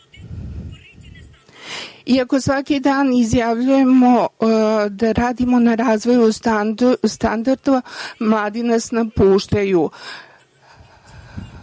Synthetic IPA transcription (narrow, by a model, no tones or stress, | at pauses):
iako̞sʋakid̪aːnizjaʋʎuje̞mo̞ | d̪aɾaːd̪imo̞naɾaːzʋo̞ju | st̪and̪aɾd̪oamlˠaːd̪inasnapuːʃt̪aju